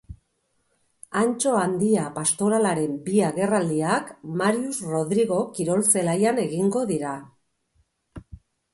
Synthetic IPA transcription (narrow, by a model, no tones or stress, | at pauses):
ant͡ʃo̞and̪iapast̪o̞ɾalaɾe̞mbiaɣe̞rald̪iakmaɾiusro̞ðɾiɣo̞kiɾo̞lse̞lajane̞ɣiŋɡo̞ðiɾa